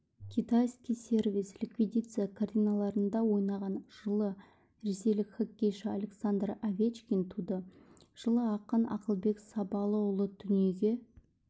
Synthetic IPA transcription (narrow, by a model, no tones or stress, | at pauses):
kʲʰit̪ajskʲijse̞rvislʲikvʲid̪ʲit̪sɨjakʰart̪ijnalˠɑɾənd̪ɑwo̞jnɑʁɑnʒ̥əlˠə | ɾe̞se̞jlɪkχakʲːejʃalʲe̞ksand̪ravʲet͡ʃkʲint̪ʰud̪ə | ʒ̥əlˠəɑqənɑ̰qəlˠbe̞ksɑpɑlˠəwʊlˠəd̪̥ʏnje̞ɡʲe̞